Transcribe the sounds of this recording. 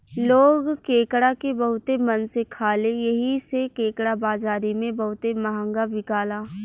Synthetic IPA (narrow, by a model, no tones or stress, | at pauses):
loːɡkeːkɽakebɐɦʊt̪emɐnsekʰaːlejɐɦisekeːkɽabaːd͡ʒaːɾimẽbɐɦʊt̪emɐɦə̃ŋɡabɪkaːlaː